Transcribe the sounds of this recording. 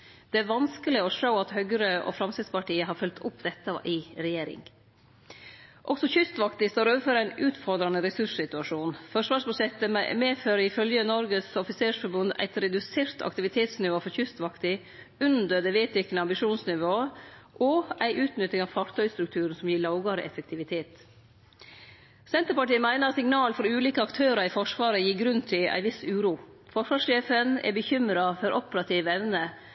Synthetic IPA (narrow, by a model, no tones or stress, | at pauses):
d̪̥ɛæɾʋɑnskəlɪɔʂəʊɑt̪hœɡəɾəʔɔ̰fɾɑmst̪ɪd̪spɑʈiːəɦɑːɾfœlt̪ʰʊpd̪ɛt̪ːəʔɪɾɛjeːɾɪ̰ŋ | ʔɔksɔçʏst̪ʋɑkt̪ɪst̪oːɾoːʋəfɔɾæɪnʉːt̪fɔɾd̪ɾɑnəɾɛsʉʂsɪt̪ʉɑʂuːnfɔʂʋɑːʂbʉd̪ʂɛt̪ːə̰meːføːɾəɪfœljənɔɾɡəsɔfɪseːʂfɔɾbʉnd̪æ̰ɪt̪ɾɛd̪ʉseːɾt̪ʰɑ̰k̚t̪ɪʋɪt̪ʰeːt̪snɪʋoːfɔɾçʏst̪ʋɑkt̪ɪ | ʉnd̪əɾd̪ɛːʋeːt̪ɪk̪nəɑmbɪʂuːnsnɪʋoːəʔɔʔæɪʔʉːt̪nʏt̪ːɪŋɑːʋfɑɾt̪ʰœʏst̪ɾʉkt̪ʰʉːɾənsɔmjiːɭɑʊɡɑɾə̰ʔɛ̰fək̚t̪ʰɪʋɪt̪ʰeːt̪ | sɛnt̪əɾpɑʈiːəmæɪnəsɪŋnɑːlfɔɾʉːliːkəɑkt̪ʰøːɾɑɾifɔʂʋɑːɾəjiːɡɾʉnt̪ʰɪlæ̰ɪʋɪsʉːɾuː | fɔʂʋɑːʂʃeːfənɛ̰bəçʏmɾɑfɔɾʔɔpəɾɑt̪ʰiːʋɛʋnə